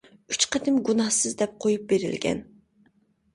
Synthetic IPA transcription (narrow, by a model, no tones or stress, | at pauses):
yt͡ʃqət̪ʰɪmɡunɑhsɨzd̪ɛp̚qʰojup̚beɾɪ̰lɡʲɛ̰n